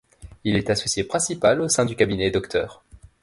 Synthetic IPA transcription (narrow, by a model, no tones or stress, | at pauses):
ilɛt̪asɔsjepχɛ̃sipalosɛ̃d̪ykʲabinɛd̪ɔkt̪ʰœːʁ